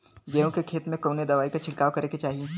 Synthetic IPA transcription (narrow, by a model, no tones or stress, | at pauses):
ɡeːõkekʰeːt̪mẽkoːned̪ɐʋaːikat͡ʃʰɪɽkaːʋkɐɾeket͡ʃaːɦieː